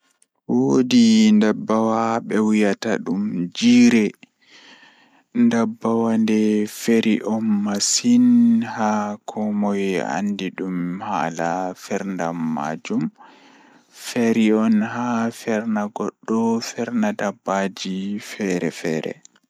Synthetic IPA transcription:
wodindabːawaɓɛwijataɗumd͡ʒiːɾɛ | ndabːawandɛfeɾiʔɔnːasinhakʰɔmɔja̰ndiɗumhalafɛɾndamːa̰d͡ʒum | fɛɾiɔnɦafɛɾnaɡɔɗːɔfɛɾnadabːad͡ʒifɛɾɛ̰fɛːɾɛ̰

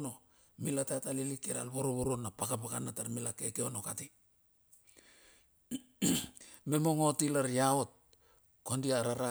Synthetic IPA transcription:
no̞ | milatatalilikeɾa̰lβoɾoβoɾonːapakapakanataɾmilakekeonokati | me̞mo̞ŋo̞tilaɾijao̞t̚ | kondiaɾaɾa

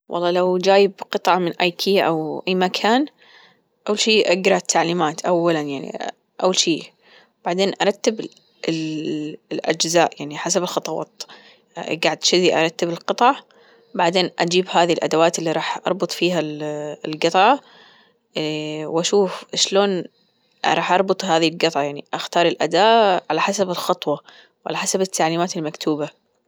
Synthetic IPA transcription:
wʔɑ̰lˤːɑːlawd͡ʒaːjɪbqɨt̪ˤʕɑmɪnʔajkʰiːʔa̰wʔajmakʰaːn | ʔawːalʃiːʔaɡɾˤɑt̪ʰːaʕliːmaːt̪ʔawːalanjaʕnḭ | ʔawːalʃiː | b̥aʕd̪eːnʔɑɾˤɑt̪ːɪb | ɪl | lʔa̰d͡ʒzaːʔjaʕniħasabɪlxɑt̪ˤɑwɑ̰ːt̪ | ɡaʕɪd̪ʃɪðiʔɑ̰ɾˤɑt̪ːɪbɪlqɨt̪ˤɑʕ | baʕd̪eːnʔad͡ʒiːbɦaːðilʔad̪awaːt̪ɪlːiɾˤɑːħʔɑ̰ɾˤbʊt̪ˤfiːɦallɡɨt̪ˤʕɑ | wʔaʃuːfʃloːn | ɾˤɑːħʔɑɾˤbʊt̪ˤhaːðilɡɨt̪ˤʕɑjaʕniʔaxt̪ɑːɾˤɪlʔad̪aːʔʕalaħasabɪlxɑt̪ˤwɑ | wʕa̰laħasabɪt̪ʰːaʕliːmaːt̪ɪlmakt̪ʰuːba

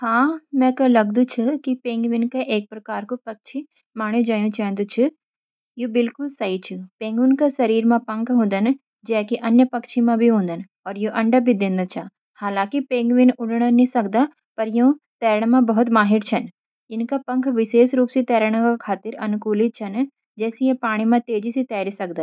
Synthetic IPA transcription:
hãːmɛ̃kɐlɐɡd̪ũt͡ʃʰɪkipẽːŋɡʋɪnkeʔeːk̚pɾɐkaːɾkopɐk̚t͡ʃʰi | maːɽ̃ũd͡ʒaːjũt͡ʃãːnd̪ut͡ʃʰɪ | jubɪlkʊlsɐɦit͡ʃʰupẽːŋɡunkasɐɾiːɾmãpɐ̃ŋkʰɦõːnd̪ən | d͡ʒɛːkiʔɐnjəpɐkt͡ʃʰimãbʱiɦõːnd̪ən | ɔːɾjuʔɐ̃ɳɖəbʱid̪ɪ̃ːnd̪at͡ʃʰa | haːlãːkipẽːŋɡʋɪnʊɖɽ̃ənĩsɐkd̪a | pɐɾjoõ | t̪ɛːɾəɽ̃mãbɐɦʊt̪maːɦɪɾt͡ʃʰɐn | ɪnkapɐ̃ŋkʰʋɪʃeːʃɾuːpsit̪ɛːɾəɽ̃kakʰaːt̪ɪɾɐnʊkuːlɪt̪̚t͡ʃʰɐn | d͡ʒɛːsijẽpaːɽ̃imãt̪eːd͡ʒisit̪ɛːɾisɐk̚d̪ən

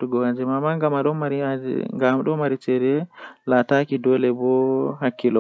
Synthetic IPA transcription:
tuɡɔwad͡ʒɛmamaŋɡamaɗɔmaɾia̰ŋɡamaɗɔmaɾit͡ʃɛɾɛlatakidɔlɛbɔhakːilɔ

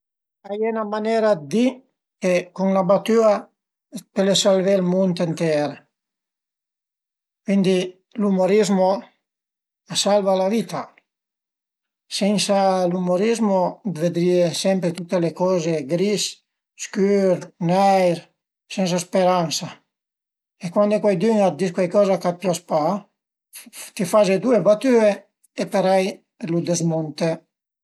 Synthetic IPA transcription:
ajenamanɛɾad̪d̪i | kekuŋlabat̪ya | pelesalvelmunt̪ent̪ɛɾ | kwind̪i | lumoɾizmo | asalvalavit̪a | sɛnsalumoɾizmod̪ved̪ɾiːesɛmpɾet̪ut̪ːelekɔːzeɡɾis | skyɾnɛjɾ | sɛns̬aspeɾansa | ekwand̪ekwɛjd̪yŋat̪̚d̪iskwɛjkɔːzakat̪̚pjaspa | t̪ifazed̪uebat̪ye | epeɾɛj | lud̪ezmunt̪e

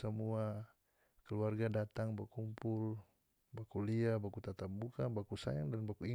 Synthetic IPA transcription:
samua | kɛluarɡadat̪aŋbakumpul | bakuliabakut̪at̪ap̚bukanbakusa̰jaŋdanbakui

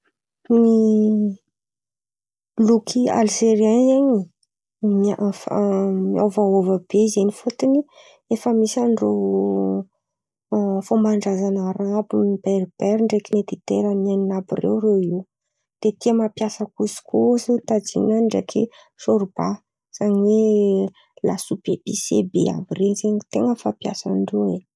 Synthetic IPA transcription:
ni | lukʰia̰lzeɾiazeɲi | mafmia̰wvaovəb̥ezenifut̪ini | efəmisanɖ͡ʐo | fomaɳɖ͡ʐazanaɾabunibeɾb̥ɛɾiɳɖ͡ʐekinet̪it̪eɾananinabirḛwrei | d̪̥et̪iəmapjasəkusi̥kʰusit̪ad͡zḭnaɳɖ͡ʐḛkʰḭ | ʃoɾuba | z̥aɲwe | lasupeb̥isḛbḛa̰bireɲzeɲit̪eŋəfapja̰sanɖ͡ʐoe

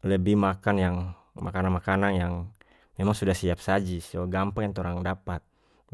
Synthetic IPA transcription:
ləbimakanjaŋ | makananmakananjaŋ | memaŋsudahsiap̚sad͡ʒisɡampaŋjaŋt̪oɾaŋdapat̪̚

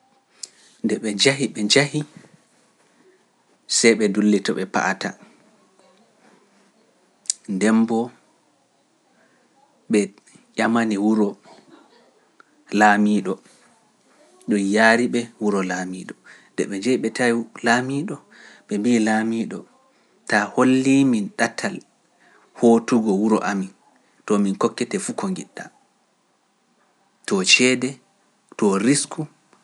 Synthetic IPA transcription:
ndɛɓɛd͡ʒaɦiɓɛd͡ʒahi | sɛjɓɛdulːitɔɓɛpa̰ʔata | ndɛmbɔ | ɓɛ | jamaniwuɾɔ | laːmiːɗɔ | ɗɔnjaːɾiɓɛwuɾɔlamiːɗɔ | dɛɓɛd͡ʒɛjɓɛtʰajilamiːɗɔ | ɓɛmbiːlamiːɗɔ̰ | taholːiminɗatʰːal | hotuɡɔwuɾɔ̰ʔamin | tɔminkɔkːɛtɛfukɔŋɡiɗːa | tɔt͡ʃɛdɛ | tɔɾisku

